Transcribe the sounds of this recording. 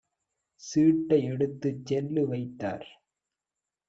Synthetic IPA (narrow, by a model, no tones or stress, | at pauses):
siːʈːɐɪɛɽɯt̪ːɯt͡ʃːɛlːɯʋɐɪt̪ːa̰ːɾ